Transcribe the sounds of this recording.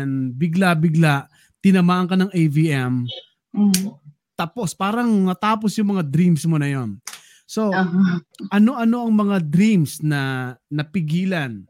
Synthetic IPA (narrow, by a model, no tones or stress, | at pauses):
nbɪɡlabɪɡlaʔ | t̪ɪnɐmaːʔɐŋkɐnɐŋʔejviʔɛm | t̪aːpo̞spaːɾɐŋnɐt̪aːpo̞sjʊŋmɐŋad̪ɾimsmo̞nɐjo̞n | so̞ | ʔɐno̞ʔɐno̞ʔɐŋmɐŋad̪ɾimsnɐnɐpɪɡiːlan